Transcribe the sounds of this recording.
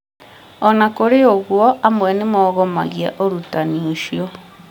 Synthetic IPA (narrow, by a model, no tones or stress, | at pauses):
ɔnakoɾeoɣwɔʔamwɛnemɔɣɔma̰ɣia̰ʔoɾutanioʃiɔ